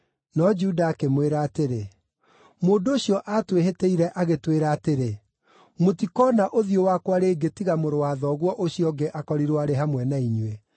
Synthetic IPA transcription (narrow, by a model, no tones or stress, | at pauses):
nɔd͡ʒudaːkemweɾaːteɾe | moːndooɕjɔʔatweɦeteiɾɛʔaɣetweɾaːteɾe | motikɔːnaʔoðiowakwaɾeːɡetiɣamoɾowaːðɔːɣwɔʔoɕiɔɡeʔakɔɾiɾwɔaɾeɦamwɛnaiɲwe